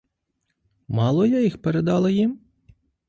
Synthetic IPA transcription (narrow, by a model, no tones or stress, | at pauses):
mɑlˠɔjajixpeɾed̪ɑlˠɐjim